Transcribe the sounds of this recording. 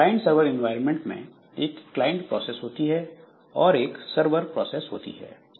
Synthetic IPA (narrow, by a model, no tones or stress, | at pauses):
klaːɪ̃ɳʈsəɾʋəɾɪ̃nʋaːɪɾə̃nmẽɳʈmḛ̃ | eːkːlaːɪɪ̃ɳʈpɾɔːseːsɦoːt̪iɦɛ | ɔːɾeːksəɾʋəɾpɾɔːseːsɦo̰ːt̪ḭɦɛ̰ː